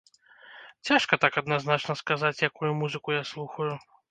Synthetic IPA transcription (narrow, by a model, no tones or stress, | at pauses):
t͡sʲaʂkɐt̪akɐd̪naznat͡ʂnɐskazat͡sʲjakujumuzɨkujaslˠuxɐju